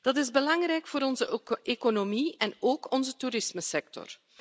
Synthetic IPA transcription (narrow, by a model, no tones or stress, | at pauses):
d̥ɑtɪzbəlɑŋrɛjkfoːɾɔnzəeːkonomiɛnoːkɔnzətuɾɪsməsɛk̚tɔ̰r